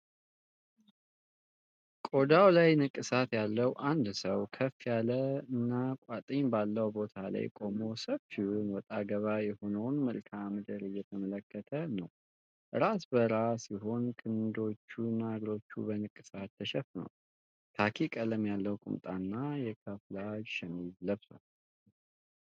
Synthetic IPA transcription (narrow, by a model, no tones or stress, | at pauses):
kʼo̞d̪awlajnɨkʼːɨsat̪jalːəwʔand̪səwkʰəfijaləɨnːakʼat̪ʼɨɲbalːəwbo̞t̪ʰala̰jkʼo̞mo̞səβfiunwɔt̪ʼaɡəβajɛho̞nəwnmɨlkʰamɨd̪əɾɨjːɛt̪ʰəmələkːət̪ʰənəw | ʔɨɾasbəɾasjiɦo̞nkʰɨnd̪o̞t͡ʃːunaɡɾo̞t͡ʃːṵbənɨkʼːɨsat̪ːəʃɛfnə̰w | t̪ʰakʰikʼələmjalːəwkʼṵmt̪ʼanːajɛkʰəflad͡ʒʃɛmidləβsə̰w